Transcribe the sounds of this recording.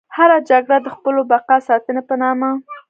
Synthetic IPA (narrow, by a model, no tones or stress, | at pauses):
haɾad͡ʒaɡɽad̪əxpəlobaqasɑt̪ənapənɑma